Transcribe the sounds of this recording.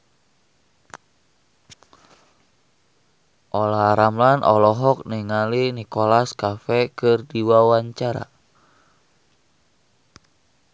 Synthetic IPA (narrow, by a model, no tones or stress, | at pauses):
ʔɔlaɾamlanʔɔlɔɦɔk̚niŋalinikɔlaskafɛkɨrdiwawaɲt͡ʃaɾa̰